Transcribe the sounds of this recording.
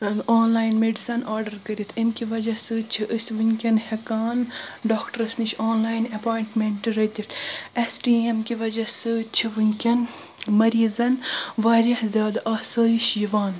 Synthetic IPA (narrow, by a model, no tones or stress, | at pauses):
oːnlaːjnmeɖisɐnaːɾɖɐɾkɐɾit̪ʰimkʲiʋɐd͡ʒɐsɨt͡ʃʰiʔəsʲʋɨnʲkʲɐnhɐkaːnɖoːkʈɐɾɐsniʃoːnlaːjnɐpaːjiɳʈmeɳʈɨɾɐt̪ʲiʈɐsʈiːemkiʋɐd͡ʒɐsɨt͡ʃʰiʋɨnʲkʲɐn | mɐɾiːzɐnʋaːɾʲɐhzʲjaːd̪aʔɐsɐːjiʃjiʋaːn